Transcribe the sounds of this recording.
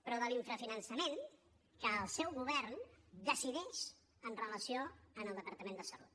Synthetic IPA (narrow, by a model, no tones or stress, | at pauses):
pɾɔðəliɱfɾəfinənsəmen | kəːlˠsɛwɣuβ̞ɛɾnd̪əsiðɛʃ | ənrələsioəməlˠd̪əpəɾt̪əmẽnd̪əsəlṵt̪